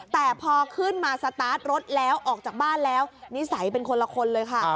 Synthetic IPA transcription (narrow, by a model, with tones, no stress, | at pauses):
t̪ɛː˨˩pʰɔː˧kʰɯ˥˩nmaː˧sa˧t̪aː˦˥t̪̚ɾo˦˥t̪̚lɛː˦˥wʔɔː˨˩k̚t͡ɕaː˨˩k̚baː˥˩nlɛː˦˥wni˦˥sa˩˦jp̬e˧nkʰo˧nla˧kʰo˧nlɤː˧jkʰa˥˩